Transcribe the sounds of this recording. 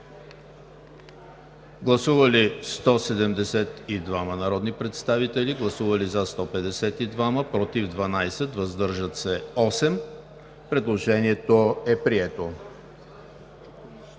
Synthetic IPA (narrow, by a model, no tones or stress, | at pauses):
ɡlˠɐsuvɐlist̪ɔsɛd̪ɛmd̪ɛsɛt̪id̪vamɐnɐɾɔd̪nipɾɛt̪st̪avit̪ɛliɡlˠɐsuvɐlizɐst̪ɔpɛd̪ɛsɛt̪id̪vaməpɾɔt̪ivd̪vɐnajsɛt̪vɐzd̪ɤɾʒət̪sɛɔsɛm | pɾɛd̪lˠoʒɛniɛt̪oɛpɾiɛt̪o